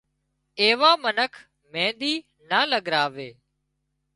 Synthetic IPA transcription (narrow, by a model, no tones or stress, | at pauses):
eːʋaːmənəkʰ | mẽːɗ̪iː | naːləɠɾaːʋeː